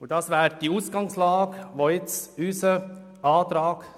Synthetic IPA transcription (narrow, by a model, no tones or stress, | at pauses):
ʊd̥ɑsʋæːɾd̥iuːsɡ̥ɑŋslɑːɡʋoɪt͡sysə | ɑːtɾɑːɡ̥